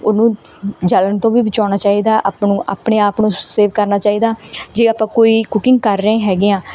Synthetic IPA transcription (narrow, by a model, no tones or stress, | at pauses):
ʊnũː | d͡ʒələnt̪õːʋiːbɪt͡ʃaːnaːt͡ʃaːiːd̪aːʔaːpnũːʔa̰ːpɳeːaːpnũːseːʋkəɾnaːt͡ʃaːiːd̪aːd͡ʒeːaːpãːkoːiːkʊkɪ̃ŋɡkəɾ̃ːɦɛːɡeãː